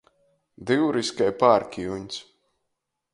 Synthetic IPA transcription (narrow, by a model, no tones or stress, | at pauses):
d̪iwɾiskajpaɾkʲijuɲʲsʲ